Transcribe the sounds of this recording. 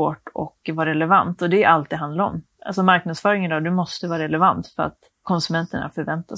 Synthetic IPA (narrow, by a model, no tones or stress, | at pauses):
oːʈɔ̰kvɑːɾɾɛlɛvant̪ɔd̪ɛʔalt̪d̪iːd̪ɦand̪laɾɔ̰mʔa̰lsɔmaɾknad̪sfœːɾɪŋənd̪ɔːd̪ɵmɔst̪əvɑːɾaɾɛlɛvant̪fœɾa̰t̪ | kʰɔnsɵmɛnt̪əɳa̰fœɾvɛnt̪as